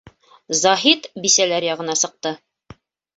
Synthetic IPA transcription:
zɑɦit̪bisælæɾjɑʁɤ̆nɑsɤ̆q̚t̪ɤ

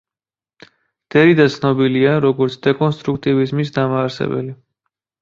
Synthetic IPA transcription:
d̪̥ɛɾid̪at̪sʰnɔbiliaɾɔɡɔɾt̪sʰd̪̥ɛkʼɔnst̪ʼɾuk̚ʰt̪ʼivizmisd̪amaːɾsɛ̰bɛ̰li

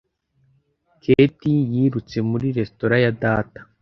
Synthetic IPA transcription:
kʰetijiːɾut͡se̞muɾiɾe̞sto̞ɾajadaːtḁ

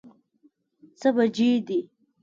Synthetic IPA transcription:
t͡səbad͡ʒed̪i

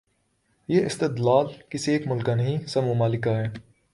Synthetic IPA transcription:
jeːʔɪst̪ɪd̪laːlkɪsieːkmʊlkanɐɦĩsɐbmʊmaːlɪkaɦɛː

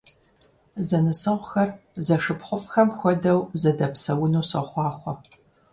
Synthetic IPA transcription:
zɐnɨsɨʁʷxɐrzɐʂɨpχʷʊfxɐmxʷɔdɐwzɐdɐpsɐwʊnuːsɐ̰χʷɑːχʷɔ

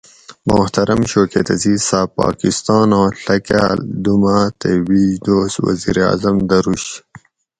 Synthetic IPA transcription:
mʊht̪ɐɾɐmɕoːket̪ɐziːsaːpɑ̰ːkist̪ɑːnãːɬɐkald̪umat̪ebiːd̪oːswɐ̰ziɾeɑ̰ːzɐmd̪ɐɾuɕ

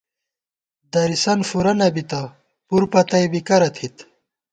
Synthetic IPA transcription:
d̪ɐɾisɐnfuɾɐnɐbit̪a | puɾpɐt̪ɐjbikɐɾɐt̪ʰit̪

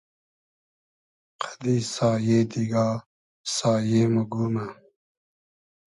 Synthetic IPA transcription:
qʰḁd̪iːsɑːjeːd̪iɡaː | sɑːjeːmuɡuːma

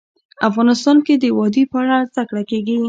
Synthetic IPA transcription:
afɣɑnɪst̪ɑnked̪əwɑd̪ipəaɽazd̪akɽakeɡi

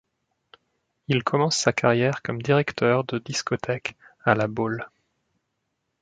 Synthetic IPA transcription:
ilkʰɔmɑ̃sːakaʁjɛʁkɔmd̪iʁɛkt̪ʰœʁd̪əd̪iskɔt̪ʰɛkalabol

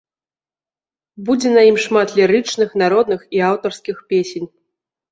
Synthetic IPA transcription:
bud͡zʲɛnajimʂmat̪lʲiɾɨt͡ʂnɨxnaɾɔd̪nɨxiawt̪ɐrskʲixpʲesʲenʲ

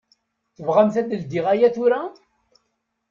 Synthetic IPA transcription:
θəvʁæmθæd̪əld̪iʁæjæθʊɾa

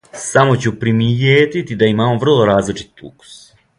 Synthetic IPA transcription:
samo̞t͡ɕupɾimijeːt̪it̪id̪aimaːmo̞ʋr̩lˠo̞ɾaːzlit͡ʂi̥t̪ṵku̥s

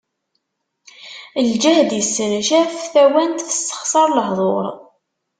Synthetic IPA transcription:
əld͡ʒæhd̪jəsːənʃæfθæwænt̪θə̥st̪ə̥χsˤɑɾˤləɦðˤoɾˤ

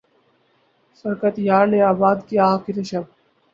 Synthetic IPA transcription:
sɐɾkət̪jaːɾneaːbaːd̪kijakiɾɐʃɐb̚

